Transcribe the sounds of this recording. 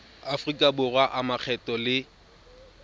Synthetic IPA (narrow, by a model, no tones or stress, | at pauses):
afrikʼabʊrwaʔamak͡xʰɛtʼɔlɪ